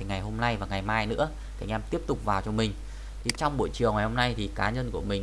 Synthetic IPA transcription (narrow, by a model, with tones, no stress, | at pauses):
ŋa˨˩jɦo˧mna˧jvaː˨˩ŋa˨˩jmaː˧jnɨ̰˧˥ə | kʰaː˧˩ŋ̟ʔɛ˧mt̪i˦˥əp̚t̪ʊ˨˩k͡p̚vaː˨˩wt͡ɕɔ˧mï˨˩ŋ̟ | t̪ʰi˨˩t͡ɕɔ˧wŋ͡mɓo̰˧˨jt͡ɕɨ˨˩əŋa˨˩jho˧mna˧jt̪ʰi˨˩kaː˨˦ɲə˧nku˧˩əmï˨˩ŋ